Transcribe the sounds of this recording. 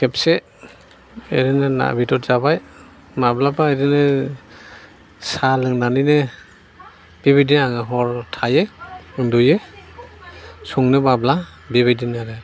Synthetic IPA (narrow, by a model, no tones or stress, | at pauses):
kʰɛpse | eɾinena̰bitɔtz̥abaj | mablabaeɾine | salɯŋnanine | bibidiaŋɯɦɔɹtʰajeɯnduje | suŋnemabla | bibidinaɾe